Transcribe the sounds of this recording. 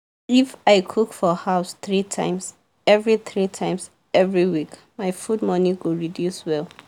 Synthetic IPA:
ifaɪkʰukfɔhaʊsθɹitʰã̰ɪ̃ms | ɛvɹiθɹitʰãɪ̃ms | ɛvɹiwik | maɪfudmɔniɡuɹidjuswɛl

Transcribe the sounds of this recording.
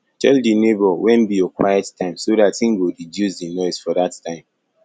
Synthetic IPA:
tʰɛldinebɔwɛ̃nbijɔkwa̰jɛttʰãɪ̃msoɾatĩŋɡodidjuzdinɔɪsfɔdattʰãɪ̃m

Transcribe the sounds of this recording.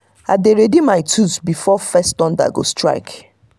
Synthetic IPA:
adeɾedimaɪtʰuzbifɔfɛstɔ̃nda̰ɡo̰stɹa̰ɪk

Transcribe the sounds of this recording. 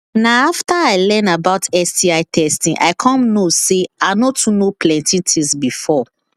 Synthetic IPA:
naaftaaɪlɛ̃nabaʊtɛstiaɪtʰɛstĩʔa̰ɪkʰɔ̃mnoseanotʰunoplɛ̃ntʰĩntʰĩsbifɔ

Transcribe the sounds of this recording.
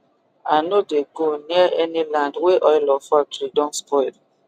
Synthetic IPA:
anodeɡoniaʔɛnilãndweʔɔjlɔfak̚tɹidɔ̃nspɔɪl

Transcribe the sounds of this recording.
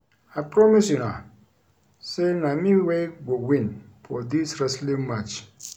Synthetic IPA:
aɪpʰɾɔmisjunã | senãmĩweɡowĩn | fɔdisɾɛslĩmat͡ʃ

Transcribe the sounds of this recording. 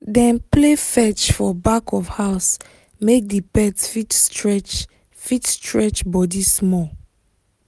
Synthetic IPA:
dɛ̃nplefɛt͡ʃfɔbakʰɔfhaʊs | mek̚dipɛtfitstɹɛt͡ʃ | fitstɹɛt͡ʃbɔdismɔ

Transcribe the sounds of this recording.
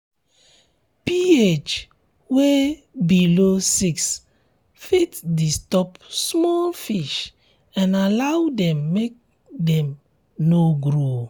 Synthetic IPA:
piet͡ʃ | webilosiks | fitdistɔpsmɔlfiʃ | ɛ̃nalawdɛ̃mːek̚ | dɛ̃m | noɡɾo

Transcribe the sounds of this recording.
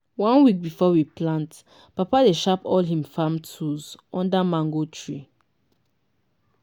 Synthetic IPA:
wãnwik̚bifɔwiplãnt | papadeʃapɔlɦĩmfãmtʰuzɔ̃ndamãŋɡotʰɹi

